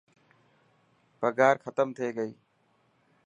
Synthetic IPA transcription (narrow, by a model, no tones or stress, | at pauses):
pəɡaːɾkʰət̪əmt̪ʰeːɡəiː